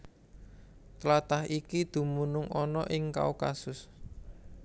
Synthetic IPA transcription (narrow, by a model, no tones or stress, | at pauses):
t̪lat̪ahikid̪̥ṳmunʊŋɔnɔʔɪŋka̰ukasʊs